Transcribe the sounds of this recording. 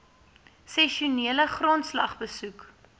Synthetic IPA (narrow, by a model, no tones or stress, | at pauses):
sɛʃuniələχrontslɐ̰χbəsuk